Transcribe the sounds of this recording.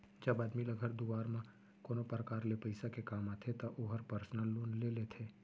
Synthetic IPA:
d͡ʒɐbaːd̪milɐɡʱəɾd̪uʋaːɾmã | koːnopəɾəkaːɾlepəɪsakekaːmaːt̪ʰet̪aʔoɦəɾpəɾsnəlːoːnlelet̪ʰeː

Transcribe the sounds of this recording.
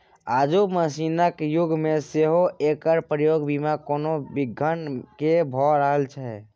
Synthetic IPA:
aːd͡ʒuməsinəkjuɡmẽseɦoekəɾpɾəjoɡbimakoːnobiɡʱənkebʱɔɾəɦəlt͡ʃʰɛ

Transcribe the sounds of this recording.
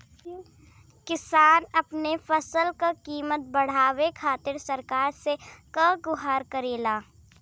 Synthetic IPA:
kɪsaːnɐpnefɐsəlkakiːmət̪̚bɐɽ̤aːwekʰaːt̪ɪɾsɐɾkaːɾsekə̃ɡʊɦaːɾkɐɾeːlaː

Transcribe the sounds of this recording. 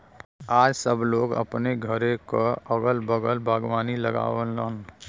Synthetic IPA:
aːd͡ʒsəbloːɡə̰pneɡʱəɾekoəɡəlbəɡəlbʱaːɡwaːniləɡa̰ːʋənləːn

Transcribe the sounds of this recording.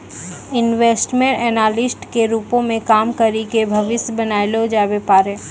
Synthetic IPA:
ɪnʋeːsʈmẽɳʈɛːnaːlɪsʈkeɾuːpõmẽkaːmkɐɾikebʱɐʋɪsjbɐnaːilod͡ʒaːbepaːɾeː

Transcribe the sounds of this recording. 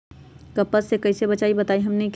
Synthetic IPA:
kəpəsekəɪsebət͡ʃaibət̪aiɦəmnek

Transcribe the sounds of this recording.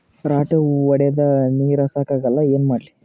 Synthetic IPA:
ɾaːʈɐɔɽɛjɐd̪ɐniːɾɐsaːkaːɡɐlːɐeːnmaːɽli

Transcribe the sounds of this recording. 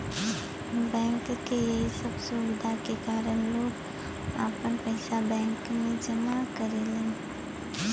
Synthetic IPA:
bɛ̃ːŋkːejɐɦisəbsuwɪd̪ʱakekaːɾəɽ̃loːɡ | a̰ːpənpəɪsabɛ̃ːŋkmẽd͡ʒɐmakɐɾelẽː

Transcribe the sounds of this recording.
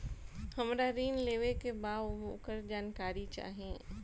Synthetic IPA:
hɐmɾaɾiːnleːʋekebaːʋmũːkəɾd͡ʒaːnkaːɾit͡ʃa̰ːɦẽː

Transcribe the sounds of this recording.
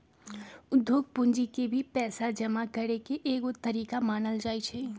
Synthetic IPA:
ʊd̪ʱːjoːɡ̚pʊnd͡ʒikebʱipɛːsad͡ʒəmakəɾekeʔeːɡot̪əɾiːkamaːnəld͡ʒaːit͡ʃʰɛː

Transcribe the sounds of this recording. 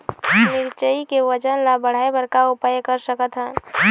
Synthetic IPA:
nɪɾt͡ʃəikeʋəd͡ʒənlabəɽ̤aːebəɾkaʊpajkəɾsəkət̪ɦə̃

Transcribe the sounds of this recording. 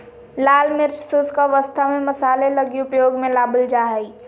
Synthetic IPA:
laːlmɪɾt͡ʃsʊskaʋəst̪ʰamẽmɐsaːlelɐɡiʊpjoːɡmẽlaːbəld͡ʒaːɦəi

